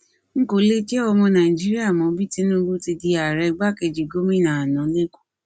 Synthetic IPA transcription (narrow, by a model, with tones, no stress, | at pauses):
ŋ̩˦ko˨˦le˦d͡ʒɛ˦ɔ˧mɔ̃˧nã˨i˨d͡ʒi˦ɾi˦a˦˨mɔ̃˨˦bi˦ti˦nũ˦ɡũ˦ti˧di˧a˨ɾɛ˧ɡ͡ba˦˨ke˧d͡ʒi˨ɡo˦mĩ˦˨nã˨nã˨˦le˦ku̥˦